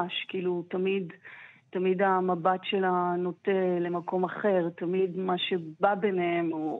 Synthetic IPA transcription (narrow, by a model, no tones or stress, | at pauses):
ʃkiːlutamid̪tamid̪amabatʃe̞lano̞tele̞mako̞maχe̞ʁt̪amid̪maʃe̞babenehemo